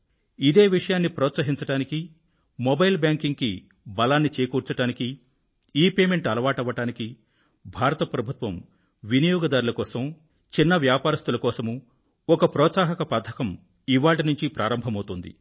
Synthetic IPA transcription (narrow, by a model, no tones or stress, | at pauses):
id̪e̞ːʋiʂɐjaːnːipɾɔːt̪sɐɦiɲt͡ʃɐʈaːniki | mɔbɐjlbjaːŋkiŋɡki | bɐlaːnːit͡ʃeːjkuːɾt͡ʃɐʈaːniki | iːpe̞ːme̞ɳʈɐlɐʋaːʈɐʋːɐʈaːniki | bʱaːɾɐt̪ɐpɾɐbʱut̪ʋɐm | ʋinijɔːɡɐd̪aːɾulɐkɔːsɐm | t͡ʃinːɐʋjaːpaːɾɐst̪ulɐkɔːsɐmu | ɔkɐpɾɔːt̪saːɦɐkɐpad̪ʰʱɐkɐm | iʋaːʈinuɲt͡ʃipɾaːɾɐmbʱɐmɐwt̪und̪ḭ